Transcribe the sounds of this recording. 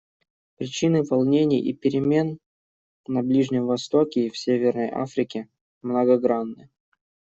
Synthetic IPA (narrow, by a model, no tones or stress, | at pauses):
pɾʲɪt͡ɕinɨvɐlˠnʲenʲɪ̰jʔḭpʲɪɾʲɪmʲe̞nː | ɐblʲiʐnʲɪmvɐst̪okʲɪːfsʲevʲɪrnəjʔa̰fɾʲɪkʲɪ | mnəɡɐɡɾanːɨ